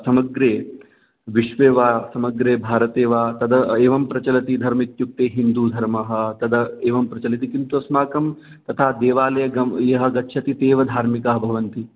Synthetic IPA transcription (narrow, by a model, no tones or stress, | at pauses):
sɐmɐɡɾeː | ʋiʃʋeːʋaːsɐmɐɡɾeːbʱaːɾɐt̪eːʋaːt̪ɐd̪ɐeːʋɐmpɾɐt͡ʃɐlɐt̪id̪ʱɐɾmit̪juk̚t̪eːɦind̪uːd̪ʱɐɾmɐɦɐ̆t̪ɐd̪ɐeːʋɐmpɾɐt͡ʃɐlɐt̪ikint̪uɐsmaːkɐm | t̪ɐt̪ʰaːd̪eːʋaːlɐjɐɡɐjɐɦɐ̆ɡɐtːʃʰɐt̪it̪eːʋɐd̪ʱaːɾmikɐɦɐbʱɐʋɐnt̪i